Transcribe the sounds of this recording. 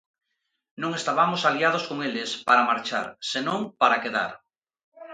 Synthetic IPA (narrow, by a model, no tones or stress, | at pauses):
nõŋest̪aβamosaliað̞oskoŋelespaɾamaɾt͡ʃa̰ɾsenõŋpaɾakeða̰ɾ